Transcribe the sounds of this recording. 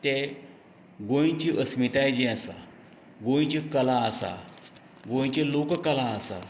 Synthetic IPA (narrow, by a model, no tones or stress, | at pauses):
t̪e | ɡõj̃t͡ɕiʔəsmit̪ajd͡ʑɛ̃əsa̰ | ɡõj̃t͡ɕikəlãːsa̰ | ɡõj̃t͡ɕelokkəlaːsa̰